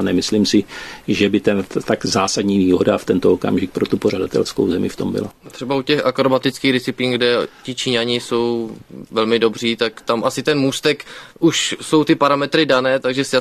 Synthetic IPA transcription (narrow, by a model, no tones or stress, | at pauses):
nɛmɪsliːmsɪʒɛbɪt̪ɛnt̪aɡzaːsadɲiːviːɦodaft̪ɛnt̪ooka̰mʒɪk̚pɾot̪upor̝adat̪ɛ̰lsko̰wzɛmɪ̰ft̪o̞̰mbɪ̰lat̪r̝̥ɛbaucɛxakɾobat̪ɪt͡skiːɣɾɪt͡sɪpiːnɡdɛcɪt͡ʃiɲaɲɪso̞wvɛlmɪdo̞br̝iːt̪akt̪amʔasɪt̪ɛnmuːst̪ɛkʔuʃso̞wt̪ɪpaɾamɛt̪ɾɪdanɛːt̪aɡʒɛsa